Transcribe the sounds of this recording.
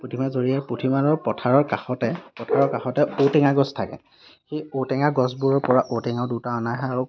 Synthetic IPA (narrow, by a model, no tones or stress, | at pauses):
pɹotʰimazoɹijapɹotʰimaɹɔɹpɔtʰaɹɔɹkaxɔtɛpɔtʰaɹɔɹkaxɔtɛotɛŋaɡɔstʰakɛ̰ | xejotɛŋaɡɔsbuɹɔɹpɔɹaʔotɛŋaʊdutaɔnaɦɛaɹu